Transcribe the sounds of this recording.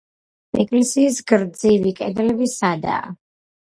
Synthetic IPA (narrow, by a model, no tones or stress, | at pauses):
ɛkʼlɛsiːsɡɾd̪zivikʼɛd̪ɛlɛbisad̪a̰ː